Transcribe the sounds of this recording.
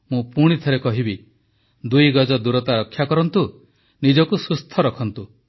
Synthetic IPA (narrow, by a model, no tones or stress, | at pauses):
mũpuɽ̃it̪ʰɔɾekɔɦibi | d̪ujɡɔd͡ʒɔd̪uɾɔt̪aɾɔkʰːjakɔɾɔnt̪u | nid͡ʒɔkusust̪ʰɔɾɔkʰɔnt̪u